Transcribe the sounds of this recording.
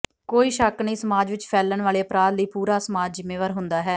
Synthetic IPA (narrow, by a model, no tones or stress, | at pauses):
koːiːʃəknəĩːsəmaːd͡ʒʋɪt͡ʃpʰɛːlənʋaːleːəpɾaːd̪liːpuːɾaːsəmaːd͡ʒzɪmeːʋaːɾɦʊnd̪aːɦɛː